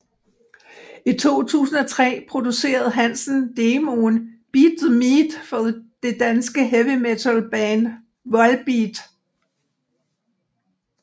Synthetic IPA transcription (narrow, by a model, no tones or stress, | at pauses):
it͡sʰo̝̰ːt͡sʰṵːsn̩ɒt͡sʰʁɛ̰ːpʰʁo̝d̥use̝̰ːɐð̞̩ˠɦænsn̩d̥e̝ːmo̝nb̥id̥ðəmid̥fɒd̥e̝d̥ænsɡ̥əɦeʋimet͡sʰælb̥ɛːn | ʋɒ̽lb̥id̥